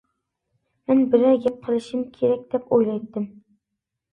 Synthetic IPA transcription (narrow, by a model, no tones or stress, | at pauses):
mænbɪɾæɡʲap̚qʰɨlˠɪʃɪmkʲʰeɾæk̚ʲd̪̥ɛpojlˠɑjt̪ːɪm